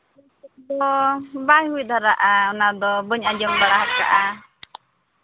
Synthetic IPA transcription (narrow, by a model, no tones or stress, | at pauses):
d̪ɔbajɦuid̪ʱaɾaʔaɔnad̪ɔbɔɲad͡ʒɔŋbaɽaɦat̚ka̰ʔa